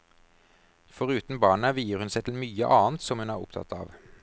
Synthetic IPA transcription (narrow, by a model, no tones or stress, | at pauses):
fɔʁʉːt̪n̩bɑːɳəʋiːəʁhʉnsæɪt̪ʰɪlmyːə̰ʔɑːnt̪sɔmhʉnæːʁʊ̰pt̪ʰɑ̰t̪ʰɑ̰ːʋ